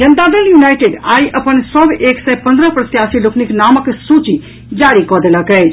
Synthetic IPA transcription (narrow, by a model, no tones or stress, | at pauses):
d͡ʒənd̪ad̪əljunajʈeɖajʔəpənsəbʱeksɛjpə̃nd̪ɾəpɾət̪jasilokniknaməksut͡ʃi | d͡ʒaɾikɔd̪eləkɛt͡ʃʰ